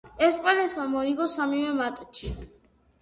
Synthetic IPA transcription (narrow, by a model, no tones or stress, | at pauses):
ɛspʼanɛt̪ʰmamɔiɡɔsamivɛmat̪ʼɔt͡ʃʰi̥